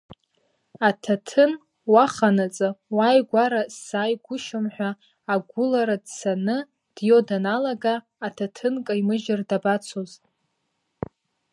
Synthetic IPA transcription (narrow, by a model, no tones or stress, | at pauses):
atʰatʰɨn | waχanat͡sʼɨwajɡʷaɾasːaːjɡʷʊʃamħʷᶣaː | ɡʷʊlaɾadsanɨ | d̥jodanalaɡaː | tʰatʰɨnkʼaimɨʒɪrdabat͡sʰoz